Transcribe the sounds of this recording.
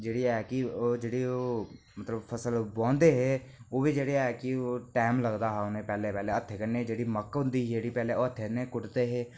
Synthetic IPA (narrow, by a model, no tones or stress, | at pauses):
d͡ʒeɽiɛɦkiod͡ʒeɽio | mɐt̪ləbfʰɐsəlbɔ̃ːnd̪eɦɛ | oːbʱid͡ʒeɽiɛɦkioʈaːɪmlɐɡd̪aɦɛʊnẽpɛːlepɛːleɐt̪ʰːekəned͡ʒeɽimɐkːʊ̃nd̪id͡ʒeɽipɛːleoɐt̪ʰːenekʊʈt̪eɦɛ̃